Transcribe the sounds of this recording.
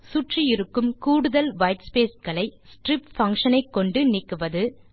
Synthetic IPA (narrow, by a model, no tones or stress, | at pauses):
sʊʈrijɪɾɯkːɯmkuːɽɯðɐlʋɐɪʈspeːskɐɭɐɪsʈrɪpfɐŋʂɐnɐɪkːɔɳɖɯnɪkːɯʋɐðɯ